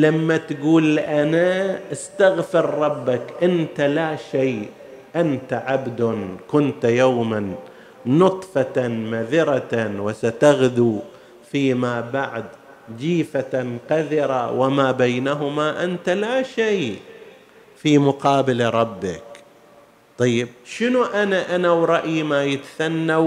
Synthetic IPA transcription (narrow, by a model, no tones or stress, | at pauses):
lamːat̪ɡuːlːʔanaʔɪst̪aɣfɪɾːˤɑbːakʔɪnt̪alaʃeː | ʔant̪aʕabd̪ʊnkʊnt̪jaːmanː | ʊt̪ˤfɑanmaðɪɾawɪsat̪aɣd̪uː | fiːmaːbaʕd̪ | d͡ʒiːfanqaðɪɾawʔɪmabajnaɦʊmaʔant̪alaʃaj | fimʊqɑːbɪlɾˤɑbːɪk | t̪ˤɑjːɪb̚ʃɪnuʔanaʔanawɾˤɑʔjimajɪt̪ḁθanːa